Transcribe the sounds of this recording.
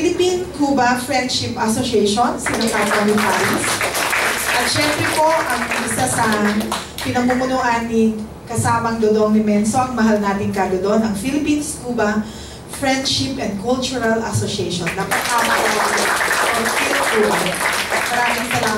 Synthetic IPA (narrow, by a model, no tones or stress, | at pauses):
lɪpinkuːbɐfɹɛnd̪ʃɪpʔɐsoʃɛjʃonsɐnŋap̪ɐmɪpaːjɪs | ʔɐt̪ʃɛmpɾɛpo̞ʔɐŋɪsasɐ | pɪnɐmumʊnuːʔɐnːi | kɐsaːmɐŋd̪od̪oŋnɪmɛnsoʔɐŋmɐɦalnaːt̪ɪŋkaɡɐd̪oʔonɐŋfilɪpinskuːbɐ | fɹɛnd̪ʃɪpʔɛnd̪̚kult͡ʃʊɹɐlʔɐsoʃɛjʃonːɐkɐʔaːbod | ʔoŋfilkuːbɐmɐɾaːmɪŋsɐla